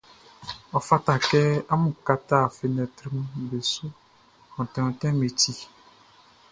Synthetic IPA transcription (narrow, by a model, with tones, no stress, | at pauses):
ɔ˨fa˦ta˨kɛ˦a˦mũ˨ka˦ta˦˨fe˨nɛ̃˨tɾi˦m˦be˨sʊ˦ | ɔ̃˨tɛ̃˨ɔ̃˨tɛ̃˦me˨ti˦